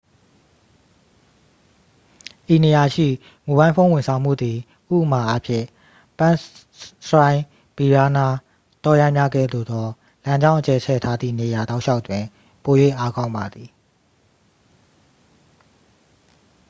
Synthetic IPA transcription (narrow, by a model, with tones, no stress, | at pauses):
ʔi˨ne˨ja˨ʃḭ˦˨ | mu˨bã˦ɪ̃pʰõ˦ʊ̃wɪ̃˨nsʰã˨ʊ̃m̥ṵ˦˨d̪i˨ | ʔṵ˦˨ʔəma˨ʔa˦pʰjɪ̰̃˦˨ | pã˦ | sɹã˦ɪ̃ | b̥i˨ɹa˦na˦ | t̪ɔ˦jã˦ɪmja˦ɡɛ̰˦˨d̪o̰˦˨d̪ɔ˦ | lã˦ɲd͡ʑã˦ʊ̃ʔət͡ɕɛ˨t͡ɕʰɛ̰˦˨tʰa˦d̪ðḭ˦˨ne˨ja˨da˦ʊʔʃa˦ʊʔtwɪ̃˨ | po˨jwḛ˦˨ʔa˦kã˦ʊ̃mba˨d̪i˨